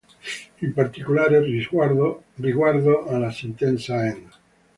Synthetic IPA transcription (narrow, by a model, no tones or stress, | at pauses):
ilpaɾt̪ikulaɾeriaɾ | riɣwaɾðoʔalasint̪ɛnsaɛna